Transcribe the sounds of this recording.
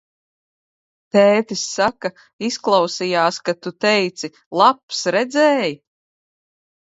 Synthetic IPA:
t̪ɛːt̪isːaka | isklˠawsijaːskat̪ut̪ɛjt̪si | lˠapsɾɛd̪zɛːj

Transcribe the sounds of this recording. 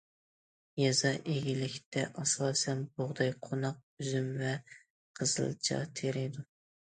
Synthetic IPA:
jɑzɑʔeɡʲilɪkʲt̪ʰɛʔɑsɑːsɛnboʁd̪ɑjqʰonɑq̚byzymvɛ | qʰəz̥ɨ̰lˠt͡ʃʰɑ̰t̪ʰeɾɪd̪u

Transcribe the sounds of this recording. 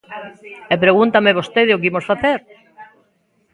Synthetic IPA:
ɛpɾeɣunt̪ameβost̪eðɪʊkimosfaθeɾ

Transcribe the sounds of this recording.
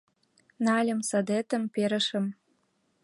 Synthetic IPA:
nɑlʲə̆msɑd̪et̪ə̆mpeɾə̆ʃə̆m

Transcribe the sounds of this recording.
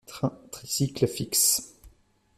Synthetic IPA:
t̪ɛ̃t̪χisikləfiks

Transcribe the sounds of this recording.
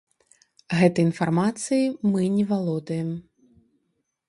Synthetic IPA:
ɣɛt̪ɐjinfarmat̪sɨjimɨnʲɛvalˠɔd̪ɐjɛm

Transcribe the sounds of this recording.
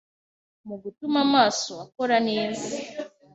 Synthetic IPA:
muɡutumamaːsoako̞ɾaneːzi

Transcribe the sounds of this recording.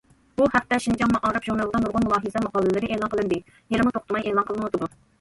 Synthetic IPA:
b̥uhɛp̚t̪ʰːɛʃind͡ʒɑmːɑʔɑːɾɑpʒunɑlˠd̪ɑnuɾʁʊnmulˠɑːɦɨzɛmɑqʰɑːlˠːɨlɨɾɪʔeːlˠɑnqʰəlˠɨnd̪ɪ | jelɪmʊt̪ʰoq̚t̪ʰɨmɑjʔeːlˠɑnqəlˠɨnwot̪ɨd̪u

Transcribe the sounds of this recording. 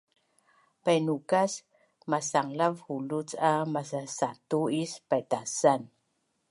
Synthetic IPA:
pajnukas | masaŋlavhulut͡samas̬asatuispajtasan

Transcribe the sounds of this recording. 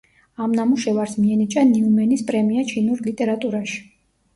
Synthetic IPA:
amnamuʃɛvaɾsmiɛnit͡ʃʼaniumɛnispʼɾɛmiat͡ʃʰinuɾlit̪ʼɛɾat̪ʼuɾaʃi̥

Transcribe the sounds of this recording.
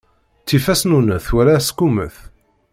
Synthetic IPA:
t͡sːifæsnunəθwæɾaskumə̰θ

